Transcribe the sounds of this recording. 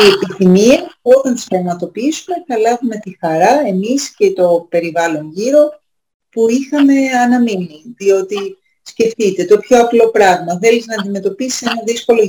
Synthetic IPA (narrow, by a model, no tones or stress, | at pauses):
ie̞piθimiɐo̞t̪ɐnstɐmɐt̪o̞piisume̞θɐlɐvume̞t̪ixɐɾɐe̞misce̞t̪o̞pe̞ɾivɐlo̞nʝiɾo̞ | puixɐme̞ɐnɐminiðio̞t̪i | sce̞ft̪it̪e̞t̪o̞pço̞ɐplo̞pɾɐɣmɐθe̞liznɐːnd̪ime̞t̪o̞pisi̥senɐðisko̞lo̞